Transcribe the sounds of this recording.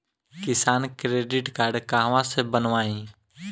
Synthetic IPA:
kɪsaːnkɾeːɖɪʈkaːɾɖkaːɦʋãsebənʋaːĩː

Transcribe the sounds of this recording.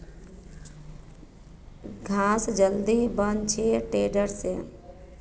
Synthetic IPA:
ɡʱaːsd͡ʒəld̪ibənt͡ʃʰeʈeːɖəɾse

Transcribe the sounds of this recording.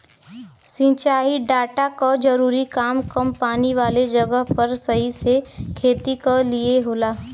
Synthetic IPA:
sĩːt͡ʃaːiɖaːʈakad͡ʒɐɾuːɾikaːmkɐmpaːniʋaːled͡ʒɐɡəɦpɐɾsɐɦisekʰeːt̪ikalieɦoːlaː

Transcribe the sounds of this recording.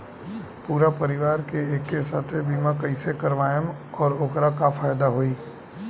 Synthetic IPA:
puːɾapɐɾɪʋaːɾkeeːkːesaːt̪ʰebiːmãkəɪsekɐɾʋaːjəmɔːɾoːkɾakafʰaːjd̪aɦoːiː

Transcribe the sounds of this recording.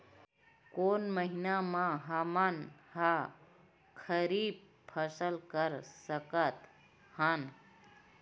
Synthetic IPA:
koːnməɦinamãɦəmənha | kʰəɾiːb̚ | pʰəsəlkəɾsəkət̪ | hən

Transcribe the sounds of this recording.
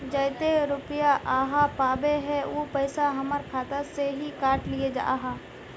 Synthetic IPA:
d͡ʒəɪt̪eɾʊpɪjaʔaːɦapaːbeɦɛoːpəɪsaɦɐməɾkʰaːt̪aseɦikaːɾʈlied͡ʒa̰ːɦãː

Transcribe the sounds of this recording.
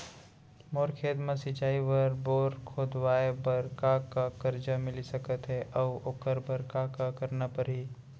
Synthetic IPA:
moːɾkʰeːd̪mɐ̃sɪt͡ʃaːiʋəɾboːɾkʰoːd̪waːebɐɾkakakɐɾd͡ʒəmɪlisɐkət̪ɦɛʔɔːoːkəɾbəɾkakakɐɾnapəɾɦiː

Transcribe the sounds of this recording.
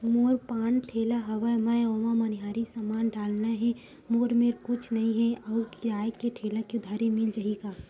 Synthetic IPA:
moːɾpaːnʈʰeːlaɦɐʋəjmə̃ɔːmãmɐniɦaːɾisəmaːnɖaːlnaɦɛ̃ | moːɾmeɾkʊt͡ʃʰnɐɦĩɦɛ̃əʊkiaːjkeʈʰeːlakiʊd̪ʱaːɾimɪld͡ʒəɦiɡaː

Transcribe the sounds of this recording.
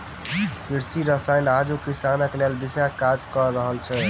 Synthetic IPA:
kiɾsiɾəsajnad͡ʒukisanəkelelbisakad͡ʒkəɾːəɦəlt͡ʃʰɛ

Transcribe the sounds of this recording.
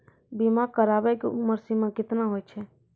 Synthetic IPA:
bimãkəɾaːbɛkʊməɾsimãkɪt̪nãɦoːjt͡ʃʰɛː

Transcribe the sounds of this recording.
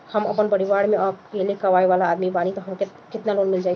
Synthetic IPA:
həməpənpəɾibaɽmeəkelekəʋaeʋalaːd̪mibanit̪ɔɦəmke | kit̪nalonmild͡ʒajʰ

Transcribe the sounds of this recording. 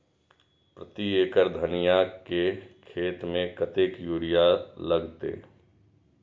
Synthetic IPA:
pɾət̪ieːkəɾd̪ʱənɪjakekʰeːt̪mẽkət̪eːkjuːɾijaləɡt̪ḛː

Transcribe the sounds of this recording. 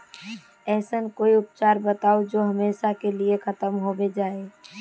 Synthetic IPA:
ɛːsənkoːiʊpt͡ʃaɾbət̪aod͡ʒoɦəmeːʃakeliekʰət̪əmɦobed͡ʒaːe

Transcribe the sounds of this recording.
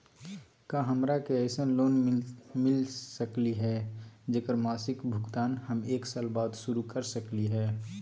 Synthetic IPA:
kaːɦəmɾakeəɪsənloːnmɪlsəkliɦɛːd͡ʒeːkəɾmaːsɪkbʱʊɡt̪aːnhəmeːksaːlbaːd̪ʃʊɾukəɾsəkliɦɛː

